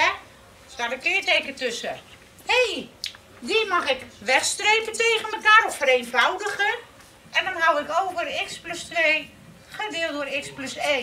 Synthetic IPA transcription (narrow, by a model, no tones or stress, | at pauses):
ɛ | statəkɪərteːɣətøsə | hej | dimɔxɪkʋɛxstreːkənteːɣənməkaːrɔffəɾenvawdəɣən | ʔɛndɔnɦawɪkowkʋərɪkspløstʋeː | χədɪəlˠdʊːrɪkspløse